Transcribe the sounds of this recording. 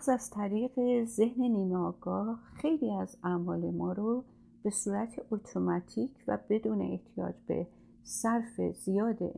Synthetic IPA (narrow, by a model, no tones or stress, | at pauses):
zæz̥t̪ʰæɾiːɣe̞ze̞hne̞niːmɒːɡ̥ɒːhxe̞jliːæzæmɒːle̞mɒːɾo | b̥e̞suːɾæt̪ʰeʔot̪ʰomæt̪ʰiːcʰvæ̰be̞d̪uːne̞̰eht̪ʰijɒ̰ːd͡ʒbe̞̰ | sæɾfe̞̰z̥ijɒːd̪ḛ